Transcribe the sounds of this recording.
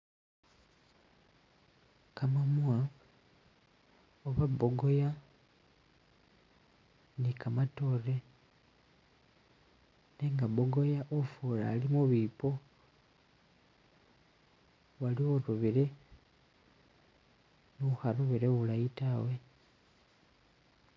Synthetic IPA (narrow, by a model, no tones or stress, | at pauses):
kamamuwa | oβaboɡo̞ja | nikamato̞ɾe̞ | neːŋɡaboɡojaʔofuːla̰ːlimuβipo̞ | walioɾuβiɾe̞ | nuxaɾuβiɾeβulajitawe̞